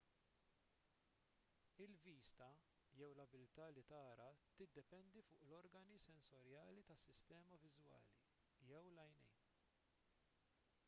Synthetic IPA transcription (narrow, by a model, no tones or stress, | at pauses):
ɪlviːst̪ɐ | jɛwlɐbɪlt̪ɐːlit̪ɐːɾɐt̪ɪd̪ːɛp̪ɛnd̪ifʊːʔlɔɾɡɐnisɛnsɔɾjɐːlit̪ɐsːɪst̪ɛːmɐvɪzwɐ̰ːlḭ | jɛwlɐjnɛ̰jn